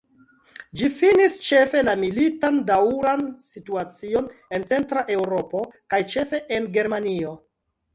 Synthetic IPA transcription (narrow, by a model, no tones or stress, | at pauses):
d͡ʒifinist͡ʃe̞fe̞lamilitandawɾansituat͡sio̞ne̞nt͡se̞ntɾaʔe̞wɾo̞po̞kajt͡ʃe̞fe̞ʔenɡe̞ɾmanio̞